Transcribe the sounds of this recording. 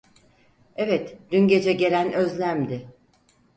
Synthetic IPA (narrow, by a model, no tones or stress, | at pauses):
evɛt̪d̪̥ynɟe̞d͡ʒɛɟe̞lʲænøzlʲæmd̪ɪ